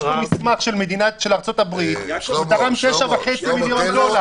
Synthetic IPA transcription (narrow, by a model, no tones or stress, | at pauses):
umismaχʃe̞lme̞d̪inaʃelaʁt͡so̞t̪abʁit̪zekaʁamit̪eʃavaħet͡similjo̞ndo̞la